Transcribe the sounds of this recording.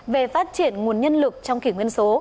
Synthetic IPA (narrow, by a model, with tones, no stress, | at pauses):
ve˨˩faː˦˥t̚t͡ɕi˧˨ənŋu˨˩ənɲə˧nlɨ˨˩k̚t͡ɕɔ˧wŋ͡mkḭ˧˩ŋwi˧ənso˨˦